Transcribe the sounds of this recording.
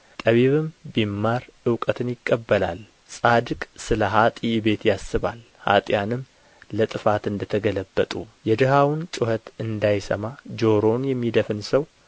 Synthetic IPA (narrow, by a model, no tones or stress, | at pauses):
t̪ʼəβiβɨmbimːaɾɨwkʼət̪ʰɨnjɪkʼːəbːəla̰l | sʼad̪ɨkʼsɨləɦat̪ʼibe̞t̪jasːɨβa̰l | ha̰t̪ʼjanɨmː | lət̪ʼɨfat̪ɨnd̪ət̪ʰəɡələbːət̪ʼujɛd̪ɨhawnt͡ʃʼʊhət̪ɨnd̪ajsə̰mad͡ʒo̞ɾo̞njɛmːid̪əfɨnsəw